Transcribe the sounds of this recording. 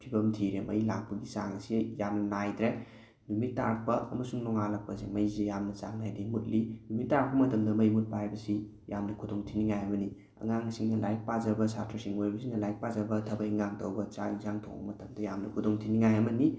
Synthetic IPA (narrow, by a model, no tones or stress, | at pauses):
pʰibɐmtʰiɾemɐ̰jlak̚pɐɡisaŋsejamnɐnajd̪ɾe | numitːaɾ̚pɐɐ̰mɐsuŋnɔŋalak̚pɐzemɐjzejamnɐt͡ʃa̰ŋnajdimut̚linumitːaɾ̚pɐmɐtɐmdɐmɐjmut̚pajbɐsi | jamnɐkʰudoŋtʰiniŋajɐmɐni | ɐ̰ŋaŋsiŋnɐlajk̚pazɐbɐsatʰɾɐsiŋojbɐsiŋnɐlajk̚pazɐbɐtʰɐbɐiŋaŋtʰowbɐt͡ʃa̰izaŋtʰo̰ŋbɐ̰mɐtɐmdɐjamnɐkʰudoŋtʰiniŋajɐmɐni